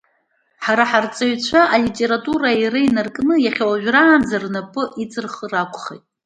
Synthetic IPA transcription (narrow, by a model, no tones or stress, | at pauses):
ħaɾaħart͡sʼaɥt͡ɕʷʰaʔalitʼe̞ɾatʼuɾairɨjnarkʼnɨjaχʲawaʒᶣraːnd͡zarnapʼɨʔit͡sʼɨrχərakʷʰʼχejtʼ